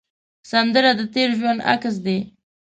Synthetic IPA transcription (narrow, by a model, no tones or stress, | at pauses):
sand̪əɾad̪ət̪eɾʒwand̪a̰ks̬d̪e